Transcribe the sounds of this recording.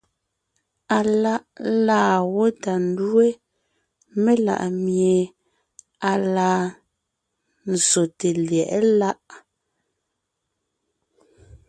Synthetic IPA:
a˨la˦ʔlaː˦˨wo˦ta˨n˦dwe˦ | me˦la̰˨ʔmje˨ | a˨laː˨ | n̩˨zo˨te˨ljɛ˨ʔɛ˦la˦ʔ

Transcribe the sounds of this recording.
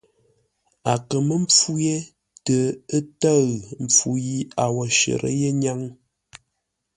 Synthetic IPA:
a˨kə˨mə˦mp͡fu˦je˦ | tə˨ə˦tə˦ɣm̩˨p͡fu˨ji˦a˨wɔ˨ʃə̰˨ɾʔə̰˦je˦ɲa˦ŋ

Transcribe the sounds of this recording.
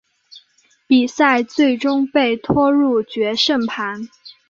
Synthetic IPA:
pi˨˩sa˥˧ɪt͡swe˥˩ɪʈ͡ʂʊ˥ŋpe˥˩ɪt̪ʰwɔ˥ɻu˥˩t͡ɕɥɛ˧˥ʂə˥˩ŋpʰa˧˥n

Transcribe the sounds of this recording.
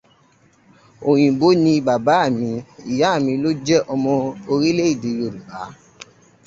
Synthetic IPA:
o˨j̃ĩ˨bo˨˦nĩ˧ba˨ba˨˦a˦˨mĩ˧i˨ja˨˦a˦˨mĩ˧lo˦d͡ʒɛ˦ʔɔ˧mɔ̃˧o˧ɾi˦le˦i˦˨de˨jo˧˨ɾu˨ba˨˦

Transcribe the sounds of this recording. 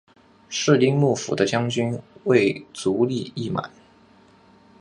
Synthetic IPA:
ʂɻ̩˥˧li˥˧ŋmu˥˩fṵ˨˩d̪ə˦t͡ɕjɑ˥ŋt͡ɕy˥nwe˥˩ɪt͡su˧˥li˥˧i˥˩ma̰˨˩˦n

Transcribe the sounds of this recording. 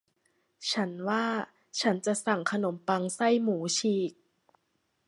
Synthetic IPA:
t͡ɕʰa˦˥nwaː˥˩ | t͡ɕʰa˦˥nt͡ɕa˨˩ʔsa˨˩ŋkʰa˧no˩˦mpa˧ŋsa˥˩jmuː˩˦t͡ɕʰiː˧˩k̚

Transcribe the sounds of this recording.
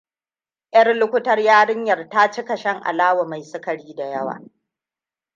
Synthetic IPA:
ʔɐ˦rlʊ˦kʷʊ˦tɐ˦rjaː˦ɽɪ˦ɲjɐ˨rtaː˦t͡ʃɪ˦kɐ˨ʃɐ˦ŋʔa̰˨laː˦wa˨ma˨jsʊ˦kɐ˨ɽiː˦da˨jɐ˦wa̰ː˨

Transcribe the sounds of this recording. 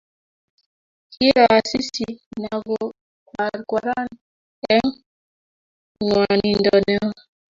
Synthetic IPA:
kʰi˦ɾa˨a˨si˦si˨na˨ɡo˨ | ka˨ɾka˨ɾa˦n | ɛ˦ŋ | ŋwa˨ni˨ndɔ˨nɛ˦

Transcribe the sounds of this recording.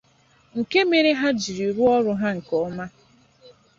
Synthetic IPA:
ŋ̩˨ke˦me˨ɾe˦ɦa˦d͡ʒi˨ɾi˨ɾu˦ɔ˦ɾʊ˦ɦa˦ŋ̩˨kɔ˨˦ma˦

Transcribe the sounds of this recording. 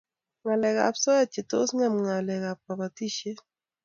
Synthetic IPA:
ŋa˨lɛ˨ɡa̰˨psɔ˦ja˦t͡ʃe˨t̪o˦sŋa˦mŋa˨lɛ˨ɡa˨p̚ka˨ba˨t̪i˦˨ʃe˦

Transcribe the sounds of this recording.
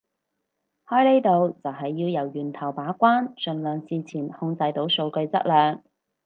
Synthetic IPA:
hɔː˥jle˥jt̪o˨wt͡sɐ˨wɦɐ˨jːiː˧wjɐ˨˩wjyː˨˩nt̪ʰɐ˨˩wpaː˨˥kʷaː˥nsɵ˨˩nlœː˨ŋsiː˨t͡sʰiː˨˩nhʊ˧ŋt͡sɐ˧jt̪o˨˥wso˧wkɵ˧ɥt͡sɐ̰˥t̚lœː˨˧ŋ

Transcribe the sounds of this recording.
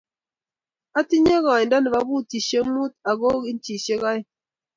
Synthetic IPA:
a˦ti˦ɲe˦ɣa˨ɲ˨nda˦ni˨βa˨˦bu˦ti˨ʃe˦mu˦t̚a˨ɡo˦ɡi˦n˦t͡ʃi˨ʃe˦ɣa˦j

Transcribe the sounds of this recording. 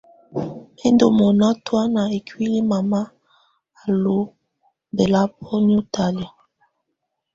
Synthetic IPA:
e˦ndo˨mo˨na˦twa˦na˨e˨kwi˦li˦ma˨ma˦ | a˨lo˦ | be˨la˦p̚ɔ˦n˦u˦ta˨li˨

